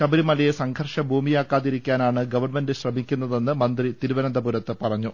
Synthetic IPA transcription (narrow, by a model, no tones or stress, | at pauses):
ɕɐbɐɾimɐlɐjesɐŋɡʰʱɐrʂɐbʱuːmijaːkːaːðiɾikʲːaːnaːɳɨɡɐʋɐrmendɨɕrɐmikʲːunːɐðe̞nːɨmɐnd̪rit̪iɾuʋɐnɐnd̪ɐbuɾɐt̪ːɨpɐrɐɲːu